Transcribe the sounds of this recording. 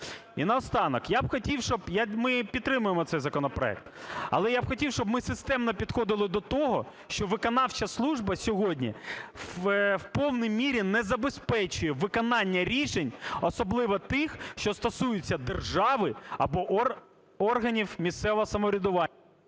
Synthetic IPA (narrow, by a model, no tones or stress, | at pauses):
inɐɔst̪ɑnɔkjabxɔtʲiwʃt͡ʃɔbjamɪpʲit̪t̪ːɾɪmʊjemɔt̪sɛjzɐkɔnɔpɾɔɛ̰k̚t̪ɐ̰lˠɛjabxɔtʲiwʃt͡ʃɔbmɪsɪst̪ɛmnɔpʲid̪xɔd̪ɪlˠɪd̪ɔt̪ɔɦɔ | ʃt͡ʃɔʋɪkɔnɑwt͡ʃɐslˠuʒbɐsʲɔɦɔdʲnʲḭ | wpɔwnijmʲiɾʲinɛzɐbespɛt͡ʃʊjɛʋɪkɔnɑnʲːɐɾʲiʃenʲɔsɔblˠɪʋɔt̪ɪxʃt͡ʃɔst̪ɔsujʊt͡sʲːɐd̪erʒɑʋɪɐ̰bɔʔ | ɔrɦɐnʲiwmʲist̪sɛʋɔɦɔsɐmɔɾʲid̪ʊʋɑ